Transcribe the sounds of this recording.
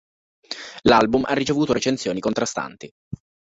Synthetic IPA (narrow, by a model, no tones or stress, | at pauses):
lalbumʔa̰rːit͡ʃevuːt̪oɾet͡ʃent̪sjoːnikont̪ɾast̪a̰nt̪i